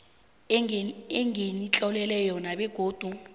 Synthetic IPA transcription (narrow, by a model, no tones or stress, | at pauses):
ɛŋenit͡ɬʼɔlɛlɛjɔnaɓɛɡ̥ʱoːd̥ʱu